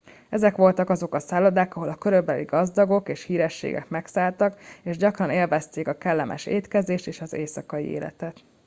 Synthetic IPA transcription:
ɛzɛkʋo̞lt̪ɒkɒzo̞kɒsaːlɒd̪aːkɒɦo̞lɒkøɾøbɛlḭɡɒzd̪ɒɡo̞keːʃhiːɾɛʃːḛːɡɛ̰kmɛksaːlt̪ɒkeːʒɟɒkrɒneːlvɛst̪eːkɒkɛlːɛmɛ̰ʃeːt̪kɛzeːʃt̪eːʃɒzeːsɒkɒjḭḛːlɛ̰t̪ɛt̪

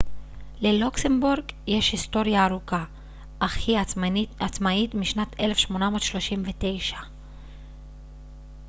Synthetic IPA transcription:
le̞luksembuʁɡje̞ʃhist̪o̞ʁjaːʁuka | aχiaat͡smaitmiʃnat̪elefʃmo̞namo̞ːtʃlo̞ʃimvete̞jʃḁ

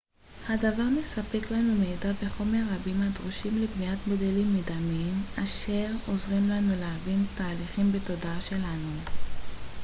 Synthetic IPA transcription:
hadavaʁme̞sape̞klanumeːdabeχo̞me̞ʁːabimadʁuʃimlebniatbodelimːidamimaʃe̞ʁo̞zʁimlanuleavintaːliχimbeto̞daaʃe̞lanu

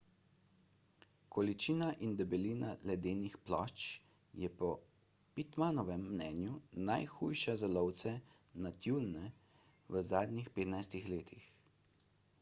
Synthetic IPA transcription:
kɔlit͡ʃiːnaʔind̪ɛbɛliːnalɛd̪eːnixplɔ̰t͡ʃ | jɛpɔ | pit̪manɔʋɛmːnɛːnjunajxujʃazɛlɔwt̪sɛnat̪juːlnɛ | ʋəzaːd̪nixpeːt̪najst̪ixleːt̪ʰix

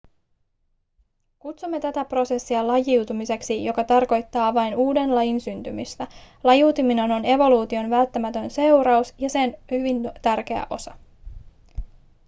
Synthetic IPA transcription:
kut̪sumːe̞t̪æt̪æpro̞sesːiɑlɑjiwt̪umise̞ksijo̞kɑt̪ɑrko̞jt̪ːɑːʋɑjnuːde̞nlɑjinsynt̪ymyst̪æ | lɑjiwt̪imine̞no̞ne̞ʋo̞luːt̪io̞nʋælt̪ːæmæt̪ø̞nse̞wɾɑusjɑse̞nhyʋint̪ærk̟e̞æ̰ʔo̞sɑ

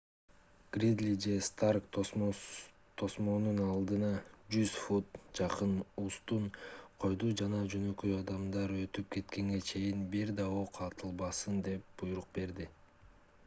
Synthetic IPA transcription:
ɡ̥rʲid̪lʲid͡ʒe̞st̪arkt̪o | t̪ʰːo̞smo̞nunɑlˠd̪ɯnɑd͡ʒyz̥fut̪d͡ʒɑqɯnust̪unqʰo̞jd̪ud͡ʒɑnɑd͡ʒø̞nø̞kø̞jɑd̪ɑmd̪ɑɾø̞t̪yp̚ke̞t̪ke̞ŋɡe̞t͡ʃʰe̞jinbiɾd̪ɑoqʰɑt̪ʰɯlˠβɑsɯnd̪e̞p̚b̥ujuɾuq̚be̞ɾd̪i

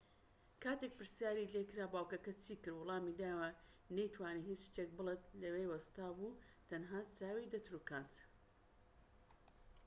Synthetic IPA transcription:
kʰaːt̪ek̚pɨɾsjaːɾilekɾaːbaːwkɐkɐt͡sʰiːkɨɾwʊlˠɑːmid̪aːwɐ | nɐjt̪ʰwaːniɦit͡sʃt̪ek̚bɨlˠet̪lɐwejwɐst̪aːbu | t̪ʰɐnɦaːt͡saːwid̪ɐt̪ɾuːkaːnt̪

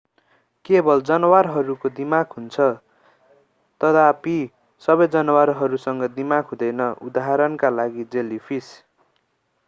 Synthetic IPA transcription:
kebʌld͡zʌnʌwarɦʌɾukod̪imaɡɦunt͡sʰʌ | t̪ʌt̪api | sʌbʌjd͡zʌnʌwaɾɦʌɾusʌŋɡʌd̪imaɡɦũd̪ʌjnʌud̪aɦaɾʌnkalaɡid͡zelipʰis

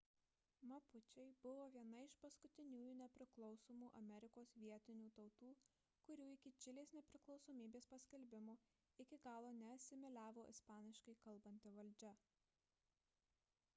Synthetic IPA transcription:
mɐpʊt͡ʃʲɛɪbʊʋoːʋʲiɛnɐɪʃpɐskʊt̪ʲɪnʲuːjuːnʲɛpʲɾʲɪklˠɒʊsoːmuːʔɐmʲɛɾʲɪkoːsʋʲiɛt̪ʲɪnʲuːt̪ɒʊt̪uː | kʊɾʲuːɪkʲɪt͡ʃʲɪlʲeːsnʲɛpʲɾʲɪklˠɒʊsoːmʲiːbʲeːspɐsʲkʲɛlʲbʲɪmoː | ɪkʲɪɡɑːlˠoːnʲɛɐt̪sʲɪmʲɛlʲæːʋoːʔɪspɑːnʲɪʃkɐɪkɐlˠbɐnʲt̪ʲɪʋɐlʲd͡ʒʲɛ

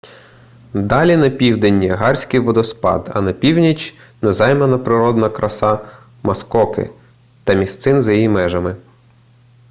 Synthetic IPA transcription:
d̪ɑlʲinɐpʲiwd̪enʲiɐɦɑrʲsʲkɪʋɔd̪ɔspɑ̰d̪ɐ̰nɐpʲiwnʲit͡ʃʲ | nɛzɑjmɐnɐpɾɪɾɔd̪nɐkɾɐsɑ | mɐskɔkɪ̰ | t̪ɐmʲist̪sɪnzɐjijimɛʒɐmɪ

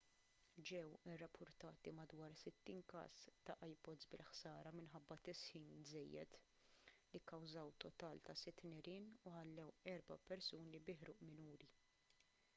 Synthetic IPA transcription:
d͡ʒɛwɪrːɐpʰːʊɾt̪ɐːt̪imɐd̪wɐːɾsɪt̪ːiːnkɐ̰ːst̪ɐʔɐjpɔd̪zbɪlħsɐːɾɐmɪnħɐbːɐt̪ɪsħiːnzɛjːɛt̪ | likːɐwzɐwt̪ɔt̪ɐːlt̪ɐsɪt̪ːnɪɾɪːnuħɐlːɛwɛɾbɐpɛɾsuːnibɪħɾuːʔmɪnuːɾi

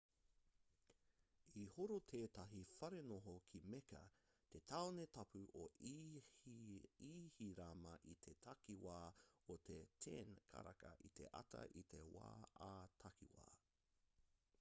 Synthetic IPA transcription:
ihoɾot̪ʰeːt̪ɐɦifɐɾenoɦokʰimekɐ̰ | t̪et̪ʰɐonet̪ɐpʉʔo | ihiɾamɐʔit̪ʰet̪ʰɐkiwaːot̪ʰetʰeːnkʰɐ̰ɾɐ̰kɐ̰ʔit̪ʰḛʔɐ̰tɐ̰ʔit̪ʰe̞wa̰ːaːt̪ʰɐkḭwa̰ː

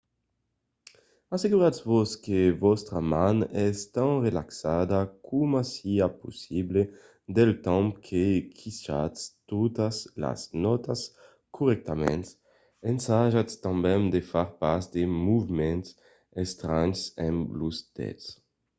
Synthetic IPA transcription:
aseɡuɾatsvoskevɔst̪ɾamãnɛst̪ãnrelaksad̪akʰumasiapusible | d̪elt̪ɛ̃mpkʰekʰiʃa̰tst̪ot̪asla̰znɔt̪as | kʰuʁɛk̚t̪amɛ̰̃nt̪s | ẽnsaʒat̪st̪ãmbɛ̃ŋd̪efaɾpaɾsd̪emuvimɛ̃nt̪s | est̪ɾaɲsɛ̃mblusd̪ɛ̰t̪s

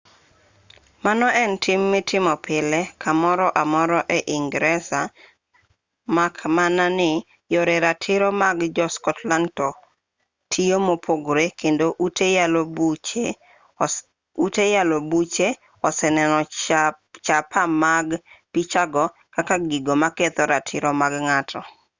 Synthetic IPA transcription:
manɔʔɛntʰɪmːɪtʰɪmɔpɪlɛkʰamɔɾɔʔamɔɾɔʔɛʔɪŋɡɾɛsa | makmananɪ | jɔɾɛɾatʰɪɾɔmaɡd͡ʒɔskɔtlantɔ | tʰijomopʰoɡɾekendoʔutejalobut͡ʃe | utejalobut͡ʃe | ɔsɛnɛnɔ | t͡ʃapamaɡpit͡ʃaɡɔ | kakaɡiɡomaket̪ɔɾatʰɪɾɔmaɡŋatʰɔ

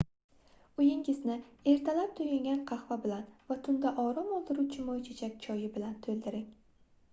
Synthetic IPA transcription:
ʊjɪŋɪznɪe̞ɾt̪ʰalap̚t̪ʰʊjʲaŋɡʲanqʰɑχvabɪlanvat̪ʰʊnd̪aʔɒɾɒmɒlˠd̪ɪɾuwt͡ʃʰɪmɒjt͡ʃʰet͡ʃʰakʲt͡ʃʰɒjɪbɪlant̪ʰɵld̪ɪɾɪŋ

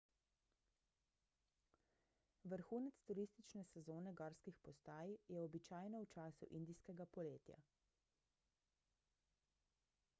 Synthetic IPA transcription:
ʋəɾxuːnɛt̪st̪uɾist̪it͡ʃnɛsɛzoːnɛɡaːɾskixpɔst̪aːjjɛɔbit͡ʃaːjnɔwt͡ʃaːsuʔind̪iskɛɡapɔleːt̪ja̰

